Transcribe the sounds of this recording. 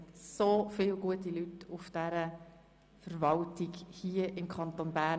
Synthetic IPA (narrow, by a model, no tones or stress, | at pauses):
tsoːfɪːlɡuətilytʊfd̥æɾə | fəɾvɑltɪɡhiəʔɪmkʰɑnt̪onbæ